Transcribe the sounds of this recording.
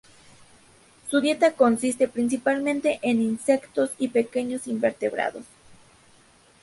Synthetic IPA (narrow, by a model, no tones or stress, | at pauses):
suðje̞t̪ako̞nsist̪e̞pɾins̬ipalmẽnt̪e̞ʔeninse̞kt̪o̞sipe̞ke̞ɲo̞simbeɾt̪eβɾa̰ðo̰s